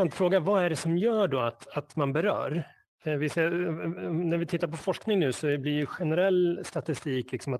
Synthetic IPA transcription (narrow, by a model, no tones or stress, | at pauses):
ant̪fɾoːɡavaæɖɛsɔmjœːɖɔat̪at̪manbɛɾœ̰ːɾ | vɪseː | næɾvɪt̪ʰɪt̪ːaɾpʰɔfɔʂknɪŋnʉ̟ːsɔblɪɾjɵɧɛnɛɾɛlːst̪at̪ɪst̪iːklɪksɔmat̪